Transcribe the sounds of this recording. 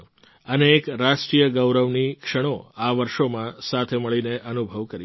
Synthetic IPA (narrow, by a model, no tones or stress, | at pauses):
əneːkɾaʃʈɾijəɡəwɾəʋnikʃəɽ̃oaʋəɾʃomãsat̪ʰeməɭineʔənubʱəʋkəɾi